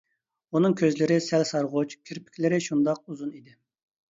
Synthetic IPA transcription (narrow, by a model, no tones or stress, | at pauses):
unɨŋkʲʰøzlɪɾɪsɛlsɑɾʁʊt͡ʃkʲʰiɾpʰɪ̥kʲlɪɾɪʃund̪ɑq̚uzunid̪ɪ